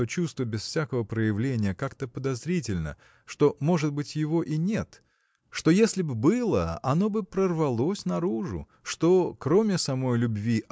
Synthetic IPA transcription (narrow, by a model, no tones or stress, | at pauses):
ot͡ɕust̪vəbʲɪsfsʲakəvəpɾəjɪvlʲenʲɪjəkakt̪əpəd̪ɐzɾʲitʲɪlʲnə̰ | ʂt̪o̞mo̞ʐɨd̪̚bɨtʲjɪvo̞ʔinʲe̞t̪ | ʂt̪o̞jesʲlʲɪbbɨlˠə̰ɐno̞bɨpɾərvɐlˠo̞sʲnɐɾuʐʊ̰ | ʂt̪o̞kɾo̞mʲɪsɐmo̞jlʲʊbvʲiʔ